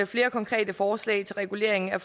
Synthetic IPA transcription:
əfle̝ːɐkʰɒ̽ŋkʰʁɛ̰ːd̥əfɒːslɛ̰ɪt͡sʰe̝lʁɛɡ̥ule̝̰ɐ̰e̝ŋn̩æf

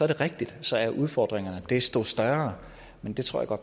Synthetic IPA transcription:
sɒɐɾ̥e̝ʁeɡ̥̚d̥id̥sɒ̽æɐʔuð̞ˠfɒ̰ːd̥ʁeŋɐnəd̥e̝sd̥osd̥ɶɐɐ | mend̥e̝t͡sʰʁo̝ɐ̰jäɡ̥ɒd̥̚

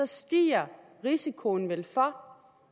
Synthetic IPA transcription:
ɒsd̥ḭːɐ | ʁisikʰo̝n̩ʋelfɒ

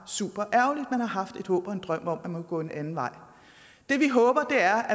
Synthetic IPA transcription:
sṵːb̥ɐʔæɐʊlid̥menhɑ̈ɦɑ̈fd̥e̝d̥hɔ̰ːb̥ɒ̽e̝nd̥ʁɶm̰ɒ̽m̰ænmɒɡ̥ɔ̰ːenʔænn̩ʋɑ̈ɪ̰ | d̥e̝ʋiɦɔ̽ːb̥ɐd̥e̝æɐʔæ

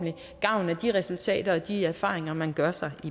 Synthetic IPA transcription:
n̩li | ɡ̥ɑ̈ʊnæd̥iʁɛsult͡sʰɛ̰ːd̥ɐɒ̽d̥iæɐfɑ̰̈ːʁeŋɐmænɡ̥ɶɐsɑ̈ɪʔi

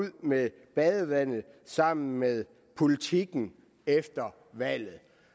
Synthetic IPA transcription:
ð̰me | b̥æðˠəʋæn̰ð̩ˠsɑ̈m̰n̩meðˠ | pʰo̝lit͡sʰiɡ̥n̩ | efd̥ɐ | ʋæl̰ð̩ˠ

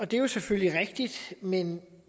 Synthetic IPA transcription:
ɒ̽d̥e̝jo̝sefølliʁeɡ̥̚d̥id̥men

